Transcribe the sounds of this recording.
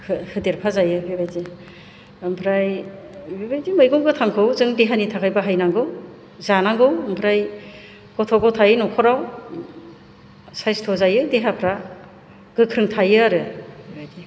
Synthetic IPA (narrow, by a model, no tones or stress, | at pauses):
hɯhɯdeɾpʰazajɯbebajde | mpʰɾajbebajdimɯjɡɔŋɡɯtʰaŋkʰɯwzɯŋdeɦanitʰakʰajbaɦajnaŋɡɯw | zanaŋɡɯwmpʰɾaj | kɔtʰɔɡɔtʰajnɔkʰɔɾaw | sajstʰɔzajɯdeɦapʰɾa | ɡ̥ɯkʰɾɯŋtʰajɯaɾɯbebajde